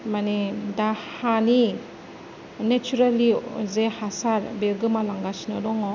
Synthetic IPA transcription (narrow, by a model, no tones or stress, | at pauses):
manedahani | net͡ʃuɾalizehasaɾbelɡɯmalaŋɡasinɔdɔŋɔ